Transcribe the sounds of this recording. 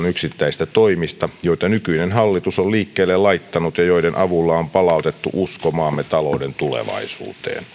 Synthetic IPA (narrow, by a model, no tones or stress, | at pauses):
nyksit̪ːæist̪æt̪oimist̪ɑjoit̪ɑnykyinenɦɑlːit̪usolliːkːeːlːellɑit̪ːɑnut̪jɑjoidenʔɑʋulːɑompɑlɑˑut̪et̪ːṵʔuskomɑːmːet̪ɑloudent̪ulḛʋɑ̰isṵːt̪ḛːn